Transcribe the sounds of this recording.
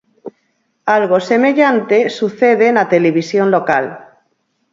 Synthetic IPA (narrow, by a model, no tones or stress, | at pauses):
alɣo̞seme̞ʎant̪esuθeð̞enat̪eleβ̞isjo̞nlo̞kal